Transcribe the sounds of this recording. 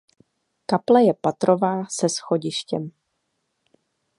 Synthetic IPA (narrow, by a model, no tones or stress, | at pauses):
kaplajɛpat̪ɾovaːsɛsxoɟɪʃcɛm